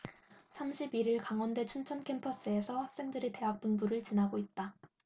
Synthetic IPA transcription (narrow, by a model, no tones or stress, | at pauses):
sʰamɕʰibiɾiɭkaŋwʌnde̞t͡ɕʰunt͡ɕʰʌnkʰe̞mpʰʌs͈ɯe̞sʰʌhak̚s͈e̞ŋdɯɾite̞ɦak̚p͈unbuɾɯɭt͡ɕinaɡoit̚t͈a